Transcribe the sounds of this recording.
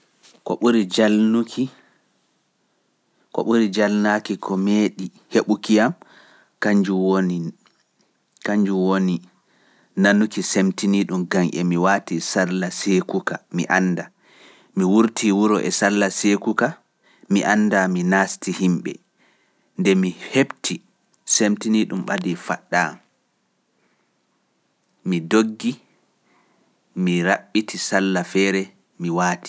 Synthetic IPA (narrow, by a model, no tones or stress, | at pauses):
ko̰ɓuɾid͡ʒalnukʰi | ko̰ɓuɾid͡ʒalnakikʰɔmeɗi | heɓukijam | kaɲd͡ʒuwoi | kaɲd͡ʒuwoni | nanːukisemtiniɗumɡaŋʔɛ̰miwatisallasekukamḭʔanːda | miwuɾtʰiwuɾɔʔɛsalːasekuka | miʔanːdaminaːstihimɓɛ̰ | ndɛmihebtʰi | semtiniɗumɓa̰difa̰ɗːa̰ | midoɡːi | miɾaɓːitʰisalːafɛːɾɛ | miwaːti̥